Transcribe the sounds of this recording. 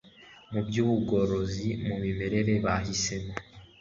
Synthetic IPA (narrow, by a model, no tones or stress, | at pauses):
mubɟuːβuɡo̞ɾo̞zimumime̞ɾe̞ɾe̞βaɦise̞mo